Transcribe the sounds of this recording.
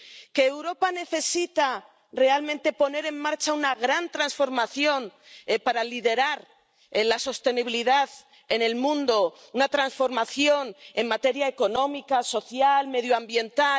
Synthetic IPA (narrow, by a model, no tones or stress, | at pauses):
ke̞ːwɾo̞pane̞θe̞sit̪a | re̞almẽnt̪e̞po̞ne̞ɾe̞mmaɾt͡ʃaunaɣ̞ɾant̪ɾansfo̞ɾmaθjo̞n | paɾaliðe̞ɾaɾ | laso̞st̪e̞niβiliðað | e̞ne̞lmũnd̪o̞unat̪ɾansfo̞ɾmaθjo̞ne̞mmat̪e̞ɾjae̞ko̞no̞mikaso̞θjalme̞ðjoambje̞nt̪a